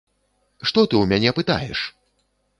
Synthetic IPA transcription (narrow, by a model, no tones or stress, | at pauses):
ʂt̪ɔt̪ɨwmʲanʲɛpɨt̪a̰jɛ̰ʂ